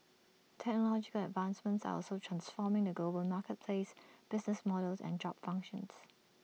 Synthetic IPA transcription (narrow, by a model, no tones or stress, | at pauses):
tʰɛk̚nəlɔd͡ʒɪkələdvãnsmə̃ntsa̰ɔ̰lˠsoʊtʰɹ̥ãnsfɔːmɪ̃ŋðəɡloːbəlˠmaːˑkət̚pʰl̥eɪsb̥ɪznəsmɔɾəlˠzɛ̰̃nd͡ʒɔpfʌ̃ŋkʃə̃nz̥